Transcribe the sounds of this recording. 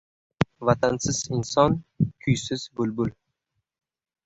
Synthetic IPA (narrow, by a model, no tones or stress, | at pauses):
vat̪ʰansɪz̥ɪnsɒnkʲʰʊjsɪz̥bʊlbʊl